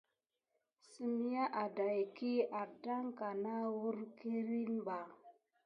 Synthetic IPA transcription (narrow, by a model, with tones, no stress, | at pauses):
si˦mi˦ja˦ʔa˨da˨jki˦a˨da˦ŋka˨na˦wu˦ɾki˦ɾi˦nba˨